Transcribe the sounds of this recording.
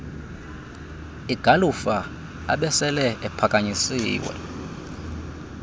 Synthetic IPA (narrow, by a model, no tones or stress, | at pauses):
iɡ̥ʱalufa | a̰ɓɛsɛlɛʔɛpʰakʼaɲisiːwɛ̰